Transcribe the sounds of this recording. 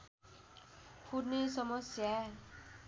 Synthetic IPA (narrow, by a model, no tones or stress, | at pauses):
pʰunesɔmɔsja